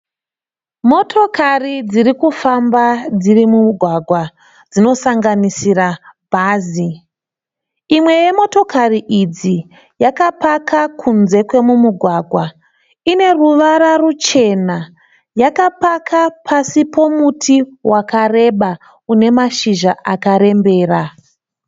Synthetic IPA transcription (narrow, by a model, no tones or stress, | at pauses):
mo̞tʰo̞karid͡zirikufambad͡zirimuɡʱwaɡʱwa | d͡zino̞saŋɡanisirabʱaːzi | imwe̞je̞mo̞to̞kariʔid͡zi | jakapakʰakʰunze̞kwe̞mumuɡʱwaɡʱwa | ine̞ruʋaɾarut͡ʃe̞na | jakapakʰapʰasipo̞mutʰiwʔakare̞ɓa | une̞maʃiʒaʔakaɾe̞mbe̞ːra